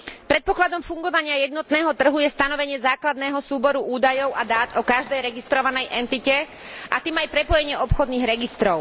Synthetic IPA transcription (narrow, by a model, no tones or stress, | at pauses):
pɾɛt̪̚pɔklad̪ɔmfuŋɡɔʋaɲɪajɛd̪nɔt̪nɛːɦɔt̪r̩ɦujɛst̪anɔʋɛɲɪɛzaːklad̪nɛːɦɔsuːbɔɾuʔuːd̪ajɔʊʔad̪aːt̪ɔkaʒd̪ɛjɾɛɡist̪ɾɔʋanɛjʔɛnt̪icɛ | ʔat̪iːmajpɾɛpɔjɛɲɪɛʔɔpxɔd̪niːɣɾɛɡist̪ɾɔʊ